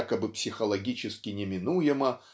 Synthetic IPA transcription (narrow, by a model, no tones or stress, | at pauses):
kəbɨpsʲɪxəlˠɐɡʲit͡ɕɪskʲɪnʲɪmʲɪnujɪmə